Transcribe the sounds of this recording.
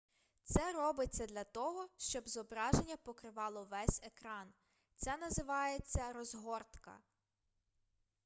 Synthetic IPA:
t̪sɛɾɔbɪt͡sʲːɐd̪lʲɐt̪ɔɦɔʃt͡ʃɔbzɔbɾɑʒenʲːɐpɔkɾɪʋɑlˠɔʋɛsʲekɾɑn | t̪sɛnɐzɪʋɑjet͡sʲːɐɾɔzɦɔrt̪kɐ̰

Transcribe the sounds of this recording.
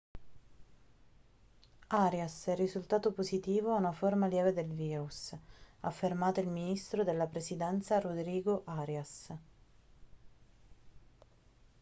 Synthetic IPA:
aɾjasɛrːizult̪aːt̪opozit̪iːvoaunaformaljɛːved̪elviːɾusa̰fːermaːt̪oilminist̪ɾod̪elːapɾesid̪ɛnt̪saɾod̪ɾiːɡoʔaɾjas

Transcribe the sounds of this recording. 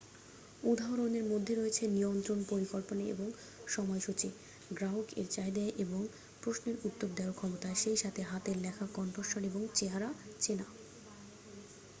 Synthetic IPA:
ud̪ʱaɦoɾoneɾmod̪ʱːeɾojet͡ɕʰenijont̪ɾonpoɾikolponeḛboŋ | ʃɔmɔeʃut͡ɕi | ɡɾaɦokḛɾt͡ɕajd̪aeʔeboŋ | pɾosneɾut̪ːoɾd̪ajokʰɔmot̪aeʃejʃat̪ʰeɦat̪eɾlɛkʰakɔnʈoɾʃoɾeboŋt͡ɕeɦaɾat͡ɕena

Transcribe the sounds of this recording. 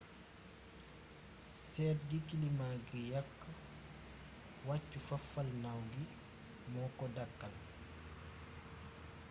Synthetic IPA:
sɛːtɡikilimaːɡijɐkː | wacːufɐfɐlnawɡi | mɔːkɔdɐkːal

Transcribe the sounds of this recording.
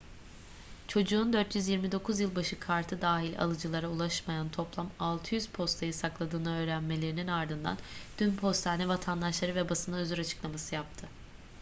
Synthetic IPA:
t͡ʃʰo̞d͡ʒuːnd̪øɾt̪ʰjyzjiɾmid̪o̞kʰuzjɯlˠbaʃɯkʰaɾt̪ʰɯd̪aːɦilʲa̰lˠɯd͡ʒɯlˠaɾaulˠaʃmajant̪ʰo̞plˠamalˠt̪ʰɯjyz̥pʰo̞st̪ʰajɯsaklˠad̪ɯːnɯø̞ːɾænme̞lʲe̞ɾininaɾd̪ɯnd̪a̰nd̪̥ynpʰo̞st̪ʰaːnɛvat̪ʰand̪aʃlˠaɾɯvɛbasɯnaøzyɾat͡ʃʰɯ̥klˠamasɯjap̚t̪ʰɯ

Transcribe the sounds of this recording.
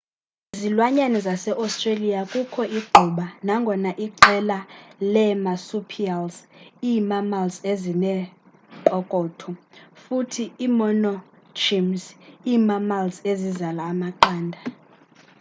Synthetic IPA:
zilwaɲanɛzasɛʔastʼrelijakʼukʰɔʔiɡ͡ǃʱuɓanaŋɡʱɔnaʔiǃɛlalɛmasupʰialziːmamalzezinɛ | ǃɔkʼɔːtʰɔfutʰiːmɔnɔ | t͡ʃimziːmamalzezizalaːmaǃaːndʱa

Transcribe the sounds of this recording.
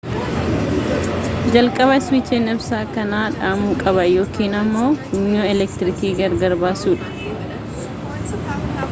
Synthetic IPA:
d͡ʒɐlkʼɐβɐɪswɪt͡ʃːenɛbsaːkɐnaːᶑaːmuːkʼɐbɐjo̞ːkiːnɐmːo̞ːhʊɲːoːɛlɛkt̪ɪɾɪkiːɡɐɾɡɐɾbaːsuːᶑɐ̥

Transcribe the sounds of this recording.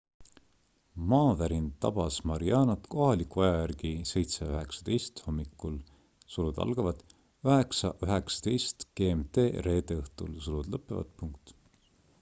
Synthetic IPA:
mɑːvæɾint̪ɑ̰b̥ɑsmɑɾiɑːnɑt̪ko̞ɦɑlikːuɑjɑjjærɡ̥ise̞jt̪seøɦe̞ksɑ̥d̪̥e̞jst̪ho̞mːikːul | sulud̪̥ɑ̰lɡ̥ɑvɑd̪̥ | øhe̞ksɑʔøɦe̞ksɑ̥t̪ejst̪ke̞ːmt̪e̞ːre̞ːd̪eɤht̪ulsulud̪̥lɤpːˑevɑ̰t̪puŋkt̪

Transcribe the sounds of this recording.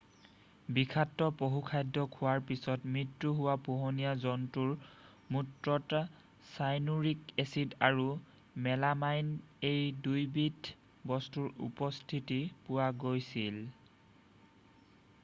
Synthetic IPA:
bikʰatːɔpoɦukʰajdɔkʰʊwaɹpisɔtmɹitɹuɦʊwapoɦonijazɔntuɹ | mutɹɔta | sajnuɹikesidaɹu | mɛlamajnejdujbit | bɔstuɹṵpɔstʰitipʊwaɡojsil

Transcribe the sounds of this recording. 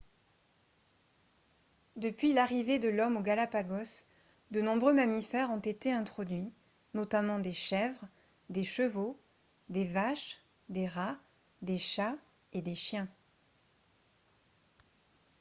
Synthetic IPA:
d̪əpɥilaʁived̪əlɔmoɡalapaɡɔs | d̪ənɔ̃bʁømamifɛʁɔ̃t̪et̪eɛ̃t̪χɔd̪ɥi | nɔt̪amɑ̃d̪eʃɛvʁ | d̪eʃəvo | d̪evaʃ | d̪eʁa | d̪eʃa | ed̪eʃjɛ̃

